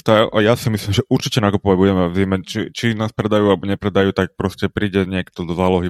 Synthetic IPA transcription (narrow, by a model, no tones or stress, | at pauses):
t̪ajasimisliːmʒɛʔuɾt͡ʃicɛnakupɔʋaɟbuɟɛmɛvimɛt͡ʃit͡ʃinaːspɾɛd̪ajuːalɛbɔɲɛpɾɛd̪ajuːt̪ak̚pɾɔscɛpɾiːɟɛɲɪɛkt̪ɔd̪ɔzaːlɔɦi